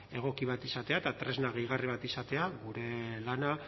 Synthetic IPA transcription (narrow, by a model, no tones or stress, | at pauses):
e̞ɣ̞o̞kiβ̞at̪isat̪eaet̪at̪ɾe̞znaɣeiɣ̞ariβ̞at̪isat̪e̞aɣuɾe̞lana